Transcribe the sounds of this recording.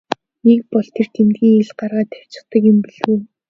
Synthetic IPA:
nekpɔɮt̪ʰer̥t̪ʰemt̪ɡʲiːŋeɮɢarʁaːt̪ʰæw̥ʲt͡ɕɪ̆χt̪ə̆kjʊmpiɮɣuj

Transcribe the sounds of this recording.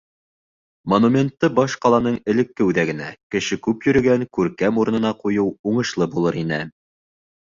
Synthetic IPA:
monumʲe̞nt̪ːɤbɑʃqɑlˠɑnɤɴɘ̆lɘ̆kːɘʉðæɡɘ̆nækɘ̆ʃɘkʉpjɵ̆ɾɘ̆ɡæŋkʉɾkæmuɾɤ̆nɤ̆nɑqujɤwuɴɤ̆ʃlˠɤbulˠɤɾinɘ

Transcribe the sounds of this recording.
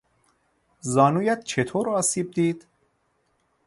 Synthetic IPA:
zɒːnuːjæt̪̚t͡ʃʰe̞t̪ʰoːɾɒːsiːb̚d̪iːd̪̥

